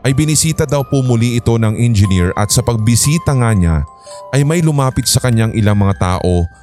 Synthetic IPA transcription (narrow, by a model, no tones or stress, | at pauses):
ʔɐjbɪnɪsiːt̪ɐd̪ɐwpʊmʊliʔɪt̪o̞nɐŋʔɛnd͡ʒɪniɹʔɐ̰t̪sɐpɐɡ̚bɪsiːt̪ɐŋaɲa̰ | ʔɐjmɐjlʊmaːpɪt̪̚sɐkɐɲaŋʔɪlaŋmɐŋat̪a̰ːʔo̞